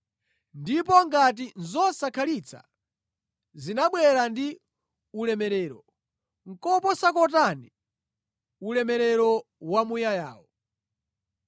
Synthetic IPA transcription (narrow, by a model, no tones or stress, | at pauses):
ndip̬ɔŋɡat̬inzɔsakʰalit͡sʰa̰ | zinaɓwɛɾandi | ulɛmɛɾɛːɾɔ̰ | ŋ̩kɔpɔsakɔt̬ani | ulɛmɛɾɛɾɔwamujaja̰ːwɔ